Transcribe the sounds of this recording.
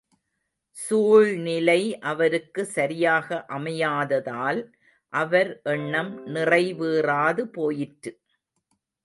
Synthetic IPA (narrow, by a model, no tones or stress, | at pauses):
suːɻnɪlɐɪʔɐʋɐɾɯkːɯsɐɾɪjaːɣɐʔɐmɐjaːðɐðaːl | ʔɐʋɐɾʔɛɳːɐmnɪrɐɪʋɯːraːðɯpoːjɪʈɾɯ